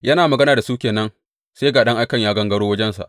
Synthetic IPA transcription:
jɐ˦naː˨mɐ˨ɡɐ˦naː˨da˨suː˦kʲeː˨nɐ˦ŋ | se˦ɡaː˨ɗɐ˦ŋʔa˦jkɐ˨ɲjaː˦ɡɐ˦ŋɡɐ˦ɽoː˦wɐ˦d͡ʒɛ˦nsa̰˨ʔ

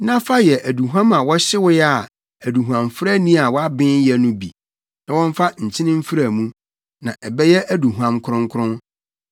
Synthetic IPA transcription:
nã˦fa˦jɛ˨ʔæ˨du˨ɦuã˦ma˨wɔ˦ɕɪ˦wʊ˦jɛ˦a˨ | æ˨du˨ɦu˨ã˨mfɾa˦nĩ˦a˨wɔ˦a˦bɪ̃˦jɛ˦nʊ̃˦bḭ˨ | nã˨wɔ̃˦n˦fa˦ɲ̩˨t͡ɕʰɪ̃˦nɪ̃˦m̩˦fi˦ɾa˨mũ˦ | nã˨ʔɛ˨bɛ˦jɛ˦ʔæ˦du˨ɦu˨ã˦mkʰʊ˦ɾʊ̃˦ŋ˦kʰʊ˦ɾʊ̃˦n

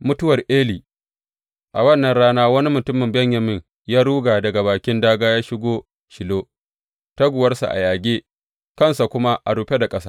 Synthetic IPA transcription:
mʊ˦tʊ˦wɐ˨rʔeː˦liː˨ | ʔa˨wɐ˦nːɐ˨nɽaː˦naː˦wɐ˦ni˦mʊ˨tʊ˦mːɪ˨mbɛ˦ɲjɐ˨mɪ˦ɲ | jaː˦ɽuː˦ɡaː˨dɐ˨ɡa˨baː˨kʲɪ˦ndaː˦ɡaː˦jaː˦ʃɪ˦ɡʷoː˦ | ʃɪ˨loː˦ | ta˦ɡʷʊ˨wɐ˦rsa̰˨ʔa̰˨jaː˨ɡʲeː˦ | kɐ˦˨nsa˨kʷʊ˦ma˦ʔa˨ɽuː˨ɸe˦da˨kʼɐ˦saː˦

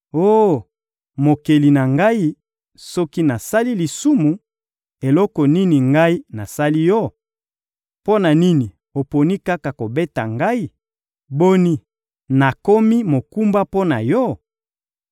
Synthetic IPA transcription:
o˦ | mo˨ke˨li˨na˨ŋɡa˦i˦ | sɔ˦ki˦na˨sa˦li˦li˨su˦mu˨ | e˨lɔ˦kɔ˨ni˦ni˨ŋɡa˦i˦na˨sa˦li˦jɔ˦ | po˦na˨ni˦ni˨ | o˨po˨ni˦ka˦ka˨ko˨be˦ta˨ŋɡa˦i˦ | bo˦ni˦ | na˨ko˦mi˦mo˨ku˦mba˦po˦na˨jɔ˦

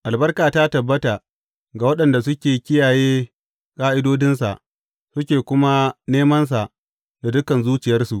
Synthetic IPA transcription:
ʔa˨lbɐ˦rkaː˨ta˦tɐ˨bːɐ˦ta˨ | ɡa˨wɐ˦ɗɐ˨nda˨s̬ʊ˦kʲeː˨kʲɪ˦jaː˨jeː˦ | kʼaː˦ʔɪ˦doː˦dɪ˦ns̬a˨ʔ | sʊ˦kʲeː˨kʷʊ˦ma˦neː˦mɐ˦ns̬a˨ʔ | da˨dʊ˦kɐ˨nzuː˦t͡ʃɪ˨jɐ˦rsu˨ʔ

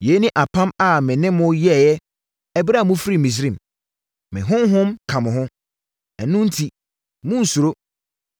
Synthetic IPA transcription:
je˨˦nɪ̃˦ʔa˨pʰã˦ma˨mɪ̃˨nɪ̃˦mʊ̃˦jɛ˦˨jɛ˦ | ɛ˨bɾa˦˨mũ˦fɾi˨mĩ˨s̬ɾĩ˦˨m | mɪ̰̃˨ɦʊ̃˦mɦʊ̃˦mkʰã˨mʊ̃˨ɦʊ̃˦ | ɛ˨nʊ̃˦n̩˦tʰi˨ | mʊ̃˦n̩˨su˨ɾo˦

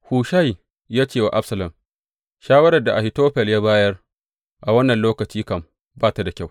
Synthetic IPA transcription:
huː˨ʃa˦j | jaː˦t͡ʃeː˦˨wa˨ʔa˦bsɐ˨lɐ˨m | ʃaː˦wɐ˦ɾɐ˨rda˨ʔa˨hɪ˨toː˦ɸɛ˨ljaː˦baː˦jɐ˦r | ʔa˨wɐ˦nːɐ˨nloː˦kɐ˨t͡ʃiː˦kɐ˨m | baː˦˨ta˨da˨kʲa˦˨w

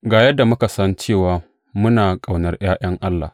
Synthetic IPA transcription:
ɡaː˨jɐ˦dːa˨mʊ˦ka˨sɐ˦nt͡ʃeː˦˨waː˨ | mʊ˦naː˨kʼa˨wnɐ˦rj̰aː˦j̰ɐ˦ŋʔa˦lːa̰ː˨

